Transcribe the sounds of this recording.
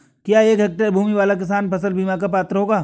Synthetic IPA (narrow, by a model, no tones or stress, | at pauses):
kjaːeːkɦɛk̚ʈəɾbʱuːmiʋaːlakɪs̬aːnpʰɐsəlbiːmakapaːt̪ɾəɦoːɡaː